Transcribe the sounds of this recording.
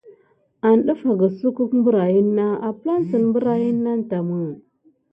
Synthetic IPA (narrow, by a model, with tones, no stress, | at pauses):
a˨nɗu˦fa˨ɡa˨su˦ku˦kmbu˦ɾa˨ji˦nːa˦a˨pla˦n˦sə˨n˨mbu˦ɾa˨ji˦nːa˦n˦ta˨mə˦